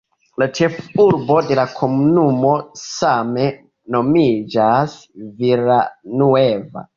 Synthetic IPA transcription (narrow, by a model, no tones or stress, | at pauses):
lat͡ʃefuɾbodelakʰomunumosame | nomid͡ʒasviɾanueva̰